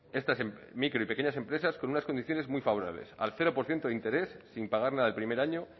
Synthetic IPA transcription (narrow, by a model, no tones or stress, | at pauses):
e̞st̪asemmikɾo̞ipe̞keɲase̞mpɾe̞sasko̞nunasko̞nd̪iθjo̞ne̞zmwijfaβo̞ɾa̰βle̞̰sa̰lθe̞ɾo̞poɾθje̞nt̪oðint̪e̞ɾe̞sːimpaɣ̞aɾnaðaelpɾime̞ɾaɲo̞